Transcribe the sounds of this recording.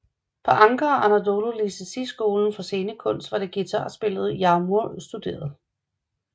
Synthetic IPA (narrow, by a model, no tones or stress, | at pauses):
pʰɒ̽ʔɑ̈ŋɡ̥ɐʔænædo̝lolisəsisɡ̥o̝ːln̩fɒ̽se̝ːnəkʰɔ̽n̰sd̥ʋɑ̈dɾe̝ɡ̥it͡sʰɑ̰ːsb̥e̝lð̞̩ˠjɑ̈muɐsd̥ud̥e̝̰ːɐð̞ˠ